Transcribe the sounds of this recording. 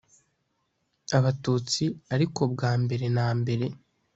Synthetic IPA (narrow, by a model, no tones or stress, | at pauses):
aβatuːt͡siaɾiko̞b̚ɡaːmbe̞ɾe̞naːmbe̞ɾe̞